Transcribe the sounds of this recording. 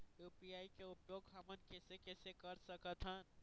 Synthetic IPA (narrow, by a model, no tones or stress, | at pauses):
juːpijaːikeʊpjoːɡɦɐmənkɛːsekɛːsekəɾsəkət̪ʰɦən